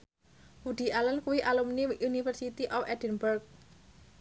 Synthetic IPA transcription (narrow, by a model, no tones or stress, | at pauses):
wuɖ̪̥i̤alənkuwiʔalumniʔunifərsit̪iʔɔfɛdə̤nbərk̚